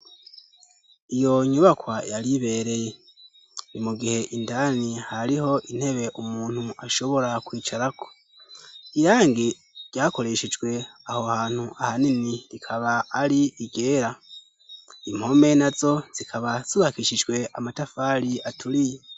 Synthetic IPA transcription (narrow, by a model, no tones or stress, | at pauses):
ijo̞ɲuβakwajaɾiβe̞ːɾe̞je | nimuɡihe̞ʔindaːnihaɾiho̞ʔin̥he̞βe̞ʔumuːn̥huaʃo̞βo̞ɾakwiːt͡ʃaɾako̞̥ | iɾaːŋɡi | ɾɟaːko̞ɾe̞ʃed͡ʒɡwe̞ahohaːn̥huʔahaniniɾikʰaβaːɾiiɡe̞ːɾa | im̥ho̞me̞nazo̞z̥ikʰaβaz̥uβakiʃid͡ʒɡwe̞ʔamatafaːɾiatʰuɾije